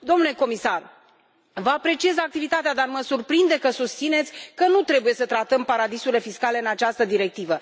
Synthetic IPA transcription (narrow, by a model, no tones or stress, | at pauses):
d̪o̞mnule̞ko̞misar | vəapɾe̞t͡ʃie̞zak̚t̪ivit̪at̪ead̪arməsurpɾind̪e̞kəsust̪sine̞t̪sʲkənut̪ɾe̞buje̞sət̪ɾat̪əmpaɾad̪isuɾile̞fiskale̞ɨnat͡ʃast̪əd̪iɾe̞k̚t̪ivə